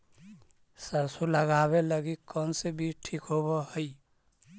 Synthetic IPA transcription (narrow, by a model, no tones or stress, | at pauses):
səɾsuləɡaβeləɡikɔnsebiʈʰikɦoβɔɦəɪ